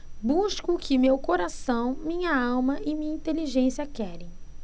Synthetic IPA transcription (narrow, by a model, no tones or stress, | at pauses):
buʃkʊkɪmewkoɾasɐ̃w̃mĩɲɐawmɐʔɪmĩɲɐĩnt̪eliʒẽsiɐkɛɾẽj̃